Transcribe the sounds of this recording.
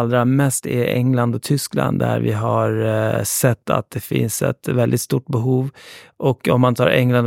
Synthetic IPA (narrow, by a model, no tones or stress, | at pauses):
ld̪ɾamɛst̪ɛʔɛŋland̪ɔt̪ʰʏskla̰nd̪d̪æ̰ɾvɪɦaɾsɛt̪ːa̰t̪̚d̪̥ɛfɪ̰nsɛ̰t̪vɛld̪ɪt̪st̪uːʈbɛɦuːvʔɔkːɔmːant̪ʰɑːɾʔɛŋlan